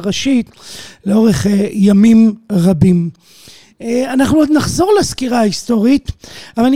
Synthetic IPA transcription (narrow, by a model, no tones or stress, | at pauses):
ʁaʃit̪leo̞ʁe̞χejamimʁabim | anaχnuod̪naχzo̞ʁleskiʁaaisto̞ʁit̪avall